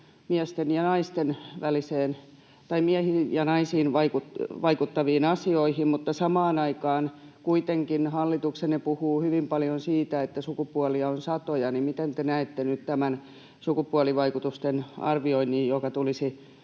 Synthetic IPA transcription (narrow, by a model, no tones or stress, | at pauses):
miæst̪enjɑnɑist̪enʋæliseːn | t̪ɑimiæhijɑnɑisiːnʋɑikutʋɑikut̪ːɑʋiːnɑsioihimmut̪ːɑsɑmɑːnɑikɑːn | kuit̪eŋkinhɑlːit̪uksenepuhuːhyʋimpɑljonsiːt̪æet̪ːæsukupuɑliɑonsɑt̪ojɑnimmit̪ent̪enæet̪ːenyt̪t̪æmæn | sukupuɑliʋɑikut̪ust̪enɑ̰rʋioinːijjokɑt̪ulisi